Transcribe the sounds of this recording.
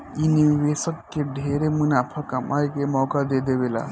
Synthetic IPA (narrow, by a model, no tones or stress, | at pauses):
inibesəkːeɖʱeɾemunapʰəkamʔajkemɔkad̪ed̪ebela̰